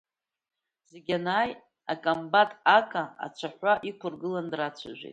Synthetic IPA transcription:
z̥eɡʲanaːj | akʼambatʼakʼaa̰t͡ʃʷʰaħʷaʔikʷʰʊrɡɨlandrat͡ʃʷʰa̰ʒʷᶣḛjtʼ

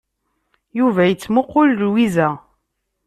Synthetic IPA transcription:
juvæjət͡sːmʊqːʊllwizæ

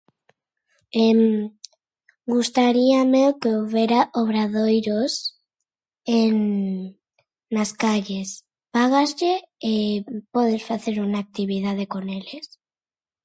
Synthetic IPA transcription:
em | ɡust̪aɾiamewkeowβeɾaʔoβ̞ɾaðojɾos | eŋ | askaʎes | paɣazʎeː | pɔð̞esfaθeɾuŋaːk̚t̪iβ̞ið̞að̞ekoneles

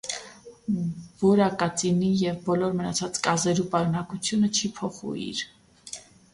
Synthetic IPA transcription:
vɔɾɑkɑt͡sinijɛvbɔlɔɾmənɑt͡sʰɑt͡skɑzɛɾupɑɾunɑkut͡sʰjunət͡ʃʰipʰɔχṵḭɾ

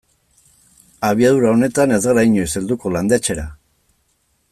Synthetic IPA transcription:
aβ̞iaðuɾao̞ne̞t̪ane̞zɡɾaiɲoiseld̪uko̞land̪et͡ʃe̞ɾa̰

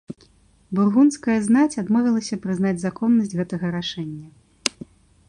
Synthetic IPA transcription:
burɣunskɐjɐznat͡sʲad̪mɔvʲilˠɐsʲɐpɾɨznad͡zʲzakɔnːɐsʲd͡zʲɣɛt̪ɐɣɐɾaʂɛnʲːɐ

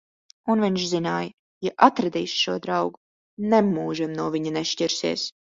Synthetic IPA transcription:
unviɲʃzinaːj | jaʔat̪ɾɛd̪iːsʃuɔd̪ɾawɡu | nemːuːʒimnuɔvʲiɲɐnɛʃciɾsiɛs

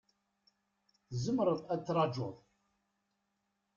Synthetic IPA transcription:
θzəmɾˤəðæt͡sːɾˤɑd͡ʒʊðˤ

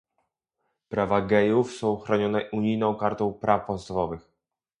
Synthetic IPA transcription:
pɾavaɡɛjufsɔ̃w̃xɾɔɲɔnɛʔuɲijnɔ̃w̃kaɾt̪ɔ̃w̃pɾafpɔt̪st̪avɔvɘx

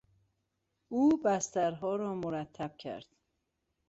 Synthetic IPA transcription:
ʔuːbæst̪æɾɦɒːɾɒːmoɾæt̪ʰːæb̥̚cʰæ̰ɾd̪̥

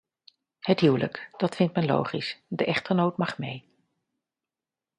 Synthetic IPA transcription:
ɦətɦywlə̰kd̥ɑtfɪntmɛnlo̰wχisdəʔɛχtəɹnowtmɑχmḛj

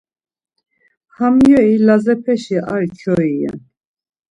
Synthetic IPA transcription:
hamjɔilazɛpʰɛʃiʔaɾkʰɔiɛ̰n

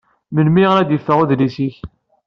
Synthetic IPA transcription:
mənmiʁɾæd̪jəfːəʁuðlisiç

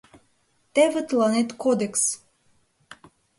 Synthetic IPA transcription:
t̪evət̪lɑnet̪kod̪eks

